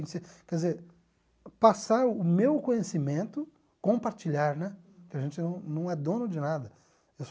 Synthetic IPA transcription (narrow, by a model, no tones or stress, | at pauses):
sekɛdɪzeɾ | pasaɾʊʊmewkõɲesimẽnt̪ʊ | kõpaɾt͡ʃiʎaɾnɛ | kɪaʒẽnt͡ʃɪnɐ̃w̃nɐ̃w̃ɛd̪õnʊd͡ʒɪnad̪ɐ | ews